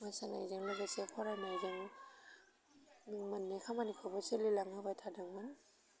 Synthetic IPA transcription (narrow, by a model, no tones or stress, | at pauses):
masana̰jzaŋlaɡasepʰɔɾajmajzɯŋ | miŋmanːekʰamanikʰɔbasɯlilaŋɯbajtʰadaŋman